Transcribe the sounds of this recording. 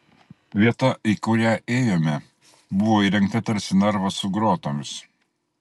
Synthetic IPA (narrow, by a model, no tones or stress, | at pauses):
ʋʲiɛt̪ɐʔiːkʊɾʲæːʔeːjoːmʲɛ | bʊʋoːiːɾʲɛŋk̚t̪ɐt̪ʲɐɾʲsʲɪnʲɛɾʋɐsʊɡɾoːt̪oːmʲɪs